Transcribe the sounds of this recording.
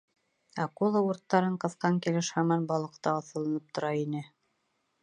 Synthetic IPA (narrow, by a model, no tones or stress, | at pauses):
æqulˠɤuɾt̪ːɑɾɤɴqɤ̆θqɑŋkilɘʃhɑmɑnbɑlˠɤ̆qt̪ɑːθɤ̆lˠɤ̆nɤp̚t̪ʰŏɾɑinɘ